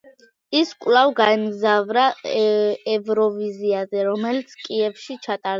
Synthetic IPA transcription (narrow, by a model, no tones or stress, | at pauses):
iskʼwlavɡaɛmɡzavɾa | ɛvɾɔviziazɛɾɔmɛlit̪sʰkʼiɛvʃit͡ʃʰat̪ʼaɾ